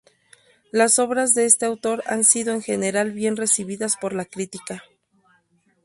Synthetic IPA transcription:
laso̞βɾazðe̞e̞st̪e̞awt̪o̞ɾa̰nsiðo̞e̞ŋxe̞ne̞ɾalβje̞nre̞siβ̞iðaspo̞ɾlakɾit̪ika

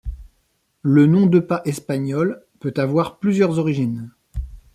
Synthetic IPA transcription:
lənɔ̃d̪əpaʔɛspaɲɔl | pøt̪avwaʁplyzjœʁzɔʁiʒin

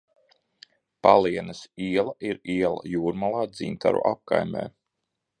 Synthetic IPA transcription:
palˠiɛnɐsiɛlˠaʔiɾiɛlˠa̰juːɾmalˠɑːd̪ziːnt̪ʰa̰ɾṵʔap̚kajmɛ̰ː

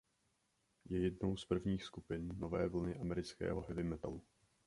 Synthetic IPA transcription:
jɛjɛdno̞wspr̩vɲiːxskupɪnːo̞vɛːvl̩nɪʔamɛɾɪt͡skɛ̰ːɦo̞ɦɛvɪmɛt̪a̰lu

